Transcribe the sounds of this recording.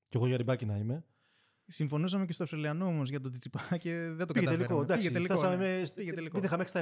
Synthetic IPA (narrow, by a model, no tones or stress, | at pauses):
ceɣo̞ʝɐɾibɐcinɐime̞ | siɱfo̞nusɐme̞c̬e̞stoɐfst̪ɾɐliɐnoomozʝɐt̪ot̪it͡sipɐceðed̪oɐelikod̪ɐkset̪elioɐmemepiʝeelikit̪ixɐmest̪ɐ